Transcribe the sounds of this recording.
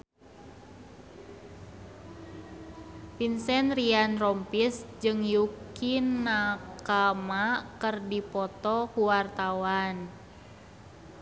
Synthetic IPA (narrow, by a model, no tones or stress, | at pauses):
pinsɛnrianrɔmpisd͡ʒɨŋjukinakamakɨrdipɔt̪ɔkuwart̪awan